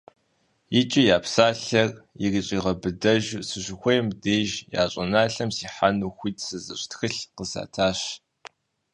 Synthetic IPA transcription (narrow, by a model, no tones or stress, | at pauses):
jɪt͡ʃʼɪjaːpsaːɬɐrjɪriɕʼiːʁɐbɨdɐʒsɨɕɪxʷɔjmdeːʒja̰ːɕʼɐnaːɬɐmsiːħanuxʷiːtʰsɨzɨɕʷʼtxɨɬqəsa̰ːtʰaːɕ